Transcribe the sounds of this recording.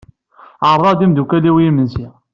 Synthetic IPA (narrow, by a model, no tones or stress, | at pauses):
ʕəɾˤðˤɑd̪imd̪ukæliwijimənsi